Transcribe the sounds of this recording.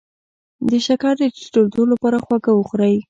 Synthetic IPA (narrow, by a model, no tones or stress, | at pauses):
d̪əʃakɑɾd̪ə̥ʈold̪olapɑɾaxwaɡawəxɾaj